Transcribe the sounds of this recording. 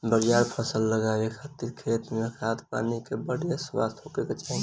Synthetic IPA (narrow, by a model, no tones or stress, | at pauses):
bəɾijaɾpʰəsəlːəɡawekʰat̪iɾkʰet̪mekʰat̪pa̰nikebəɽijaswa̰st̪ʰokeket͡ʃaɦĩ